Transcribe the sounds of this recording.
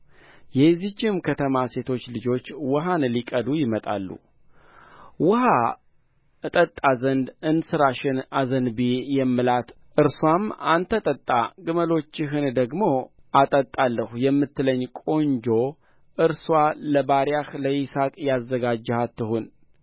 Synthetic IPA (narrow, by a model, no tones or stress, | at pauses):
jɛzit͡ʃːɪmkʰət̪ʰəmase̞t̪ʰo̞t͡ʃːlɨd͡ʒo̞t͡ʃːwɔɦanlikʼəd̪ujɪmət̪ʼa̰lːṵ | wʊha | ɨt̪ʼət̪ʼːazənd̪ɨnsɨɾaʃɪnazənbijɛmːɨlat̪ | ʔɨɾswamant̪ʰət̪ʼət̪ʼːaɡɨməlo̞t͡ʃːɪɦɨnd̪əɡmo̞at̪ʼət̪ʼːalːəhujɛmːɨt̪ːɨləɲːkʼo̞nd͡ʒo̞ | ʔɨɾswaləbaɾjahləjɪsakʼjazːəɡad͡ʒːhat̪ːɨhun